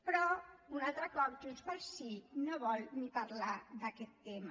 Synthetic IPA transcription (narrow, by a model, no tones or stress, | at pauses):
pɾɔunat̪ɾakɔbʈuspəɾsinəbɔlnipaɾlad̪aket̪ːema